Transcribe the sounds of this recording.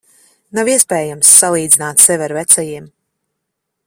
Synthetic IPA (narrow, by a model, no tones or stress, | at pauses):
naviɛspɛːjamsːalˠiːd̪zinaːt̪sɛvʲɛɾvɛt̪sɛjiɛm